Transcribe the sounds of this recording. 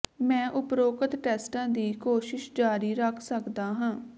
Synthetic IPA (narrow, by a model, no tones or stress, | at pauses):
mɛ̃ːʔʊpɾoːkət̪ʈɛːsʈãːd̪iːkoːʃɪʃd͡ʒaːɾiːɾəkʰsəkd̪aːɦãː